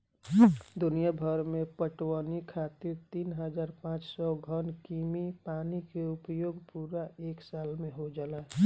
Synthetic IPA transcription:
d̪ʊnijabʱəɾmẽpəʈwənikʰat̪iɾt̪iːnɦəd͡ʒaːɾpãt͡ʃsɔɡʱənkimipanikeʊpjoːɡpuɾaʔeːksaːlmẽɦod͡ʒalɛ

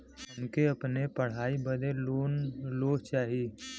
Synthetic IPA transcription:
ʊnkeɐpnepɐɽ̤aːibəd̪ʱeoːloːɦt͡ʃaːɦi

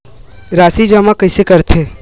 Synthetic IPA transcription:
ɾaːsid͡ʒəmakəɪsekəɾt̪ʰeː

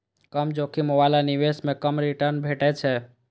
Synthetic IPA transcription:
kəmd͡ʒoːkimobalaniʋesmẽkəmɾiʈəɾnbʱeːʈɛt͡ʃʰɛ

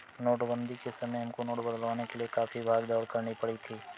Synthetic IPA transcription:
noːʈbə̃nd̪ikesɐməjɦɐmkonoːʈbəd̪əlʋaːnekeliekaːfʰibʱaːɡd̪ɔːɽkɐɾnipɐɽit̪ʰiː

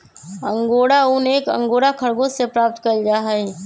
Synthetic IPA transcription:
ə̃ŋɡoːɽaʊneːkə̰̃ŋɡoːɽakʰɐɽɡõsepɾaːp̚t̪kɐɾd͡ʒaːɦai

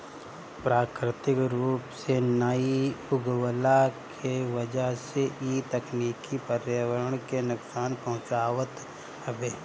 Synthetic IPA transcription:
pɾaːkɾɪt̪ɪkɾuːpsenəiʊɡwəlakʰeʋəd͡ʒəɦseʔit̪ɐkniːkipəɾjəwəɾəɽ̃kenʊksaːnpɐɦʊ̃t͡ʃaːʋət̪ | əbeː

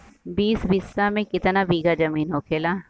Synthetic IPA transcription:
biːsbɪsːamẽkɪt̪nabiːɡad͡ʒɐmiːnɦoːkʰeːlaː

